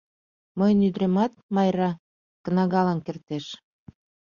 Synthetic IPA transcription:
məjənyd̪ɾemɑt̪̚mɑjɾɑ | kənɑɣɑlɑnkert̪eʃ

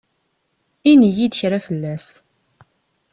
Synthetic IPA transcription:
inijid̪əçɾafəlːæs

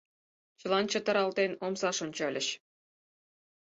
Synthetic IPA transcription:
t͡ɕɤ̆lˠɑnt͡ɕɤ̆t̪ɤ̆ɾɑlˠd̪ʲenʲomzɑʂŏnʲt͡ɕɑlʲɘ̆ɕ

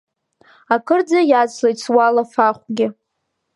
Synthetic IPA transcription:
akʰɨrd͡zajat͡slejt͡sʰwalafaχʷɡʲɪ

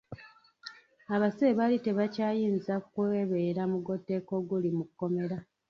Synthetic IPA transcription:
aβaseβalite̞βacaːjiːnzakukweeβe̞ɾamuɡo̞tːe̞ko̞ɡulimukːo̞me̞ɾa

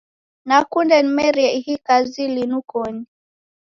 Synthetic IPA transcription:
nakundɛnimɛɾiɛhikazilinukɔni

